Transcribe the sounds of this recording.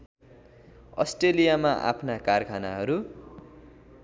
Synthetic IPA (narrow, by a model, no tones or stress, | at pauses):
ʌ̰sʈelijamaʔa̰pʰnakarkʰanaɦʌɾu